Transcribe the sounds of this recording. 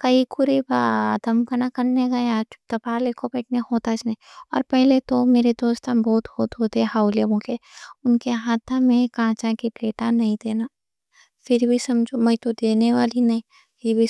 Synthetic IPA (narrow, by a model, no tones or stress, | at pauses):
kɐikʊɾibad̪ɐmkɐnakɐɾneɡɐẽaːd͡ʒt̪ɐpaːleːkʰobɛːʈnehoːt̪at͡ʃnɐĩɔ̰ːɾpɛɦlet̪omeːɾed̪oːst̪ãnbɔːt̪hoːt̪ɦoːt̪eɦɛhaːʊlemõkeʊnkeɦaːt̪ʰãmẽkãːt͡ʃãkipleːʈanɐɦĩd̪eːnaː | fʰɪɾbʱisɐmd͡ʒomɐĩt̪od̪eːneʋaːlinɐɦĩ | pʰɪɾbʱi